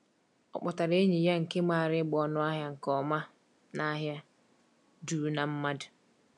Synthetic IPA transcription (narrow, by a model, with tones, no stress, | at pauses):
ɔ̰˨k͡pɔ˨ta˨ɾe˦ɲi˨ja˦ŋ̩˨ke˦ma˨ɾɪ˦ɡ͡bɔ˨nʊ˦a˦ɦja˦ŋ̩˨kɔ˨ma˦ | na˦ɦja˦ | duː˨˦na˨m̩˦ma˦dʊ˨